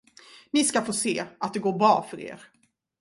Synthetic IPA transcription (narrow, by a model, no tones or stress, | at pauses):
nɪskafoːseːat̪̚d̪ɛɡoːɾbɾɑːfœɾḛːɾ